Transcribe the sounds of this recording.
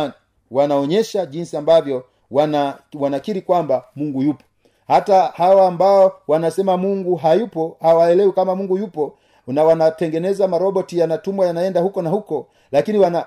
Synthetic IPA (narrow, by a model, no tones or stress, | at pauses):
ni | wanaɔɲɛʃaʄinsiambavjɔ | wanawanakiɾikwambamuŋɡujupɔ̥ | hatahawaːmbaɔwanasɛmamuŋɡuɦajupɔhawaɛlɛwikamamuŋɡujupɔ | nawanatɛŋɡɛnɛzamaɾɔɓɔtijanatumwajanaɛndahukɔnahukɔ | lakiniwana